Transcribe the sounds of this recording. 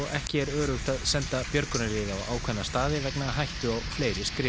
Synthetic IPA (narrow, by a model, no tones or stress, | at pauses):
ɔɣɛhcɪɛɾœːɾʏht̪aðsɛnt̪apjœɾkʏnɪɾɪːðawa̰ːwkʰvɛnːast̪aːðɪvɛknaɦajht̪ʏɔɣfleːjɾɪskɾɪ